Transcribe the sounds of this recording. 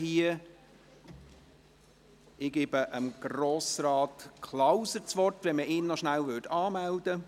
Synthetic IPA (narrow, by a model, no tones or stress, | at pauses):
hiə | ɪɡ̥ebəʔəmɡ̥roːsɾɑːtkʰlawsəɾt͡sʋɔrtʋɛnməʔɪːnːɔʃnælʋʏtɑːmældə